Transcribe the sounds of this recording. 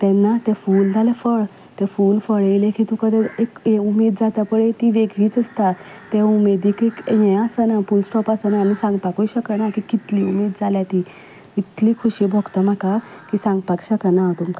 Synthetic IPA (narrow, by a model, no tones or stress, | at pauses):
t̪ɛ̃nːat̪ɛ̃fuld͡zʱalefəɭ | t̪ɛfuːlfəɭeilekit̪ũkəd̪eekeumed̪̚d͡zat̪apəɽet̪iʋeɡɭiːt͡səst̪a | t̪eumed̪iːkekjɛ̃asənafulsʈɔpasənaːmisãŋɡpakuɕəkənakikit̪liumeːd̪̚d͡zaljat̪i | it̪liːkʰuɕiːbʱɔɡt̪əm̤aka | kisãŋɡpakɕəkənat̪umka